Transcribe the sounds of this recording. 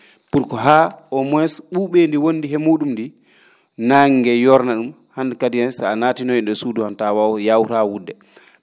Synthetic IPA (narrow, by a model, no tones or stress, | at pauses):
puɾkɔɦaɔmwɛsɓuɓendiwonːdiɦɛmuːɗumndi | naŋɡɛjɔɾnaɗum | handkadijansaanaːtinɔinɗɛsuduhantawawjawɾawudːɛ